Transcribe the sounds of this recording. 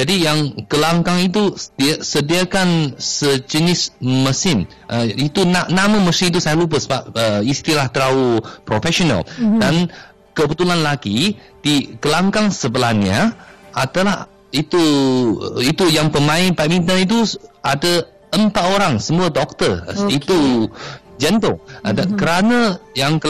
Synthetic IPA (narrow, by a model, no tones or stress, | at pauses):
d͡ʒadijaŋkəlaŋkaŋit̪̬udisədiakansəd͡ʒənɪsməsɪn | ʔəit̪unaʔnamaməsɪ̃nit̪̬usajalup̬əsəbap̚əist̪ilaht̪əɾaupɾofɛʃonə̰ldan | kəbət̪ulanlaɡi | d̥ikəlaŋkaŋsəbəlanɲaad̪alah | it̪u | it̪ujaŋpəmãɪnpamint̪̬ait̪̬uadə | əmpat̪oɾaŋsəmuədɔk̚t̪əit̪u | d͡ʒɛnt̪ʊŋdakəɾanə̃jaŋkə